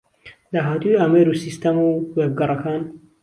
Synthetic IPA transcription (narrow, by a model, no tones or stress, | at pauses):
d̪aːɦaːt̪ujameɾusist̪ɐmuweb̚ɡɐrˤɐkaːn